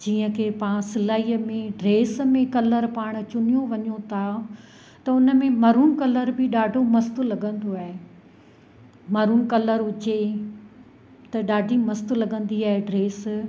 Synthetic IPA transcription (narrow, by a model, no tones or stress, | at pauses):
d͡ʑiːə̃kʰeːpãːsɪlaːiːəmẽɖɾeːsmẽkɐləɾpaːɽ̃t͡ɕʊnijoʋɐɲot̪ʰa | t̪ɐʊnə̆mẽmɐɾuːnkɐləɾbɪɗaːɖʱomɐst̪ʊ̆lɐɠə̃nd̪oaːɦe | mɐɾuːnkɐləɾʊt͡ɕe | t̪ɐɗaːɖʱimɐst̪ʊlɐɠə̃nd̪iaːɦeɖɾeːs